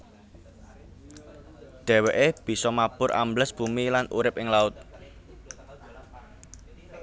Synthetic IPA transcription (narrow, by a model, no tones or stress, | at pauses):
d̪̥ɛ̤weʔeb̥i̤sɔmab̥ʊɾʔa̰mbləsb̥ṳmilanṵɾɪp̚ɪŋlaʊt̪̚